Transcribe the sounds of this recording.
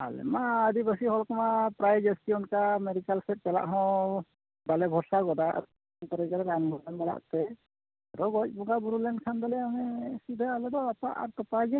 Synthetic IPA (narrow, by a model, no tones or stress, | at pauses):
a̰lɛ̰maːd̪ibasiɦɔlkɔmapɾajd͡ʒɔsʈiɔnkameɾikalsɛt̚pɛla̰ʔɦɔ̃ | balɛbʱɔsaɡɔd̪aʔa̰ɾ | nt̪ɔɾɛɡaɾɛɾanmɔlɛnbala̰ʔt̪ɛ | aɾɔɡɔc̚ˀbɔɡabuɾulɛnkʰand̪alɛamɛsud̪ʱaalɛd̪ɔapaʔa̰ɾt̪ɔpad͡ʒɛ